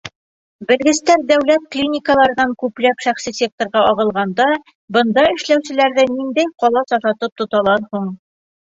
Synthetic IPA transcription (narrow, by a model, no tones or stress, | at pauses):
bɘ̆lɡɘ̆st̪æɾd̪æwlæt̪̚klʲinʲɪkəlˠɑɾɤ̆nɑŋkʉplæpʃæχsisʲek̚t̪ŏɾʁɑʔɒʁɤ̆lˠʁɑnd̪ɑ | bɤ̆nd̪ɑɘ̆ʃlæwsɘ̆læɾðɘnind̪æjqɒlˠɑsɒʃɑt̪ɤp̚t̪ŏt̪ɑlˠɑɾhuɴ